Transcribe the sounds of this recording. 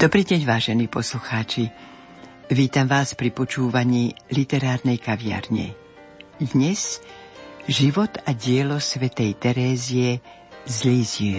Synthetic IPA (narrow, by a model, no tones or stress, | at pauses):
d̪̥ɔbɾiːɟɛɲʋaːʒɛniːpɔsluxaːt͡ʃi | ʋiːt̪amʋaːspɾipɔt͡ʃuːʋaɲiːlit̪ɛɾaːɾnɛjkaʋɪa̰ɾɲɛ̰ | d̪ɲɛz | ʒiʋɔt̪aɟɪɛlɔsʋɛt̪ɛjt̪ɛɾɛːziɛ | zliːziɛ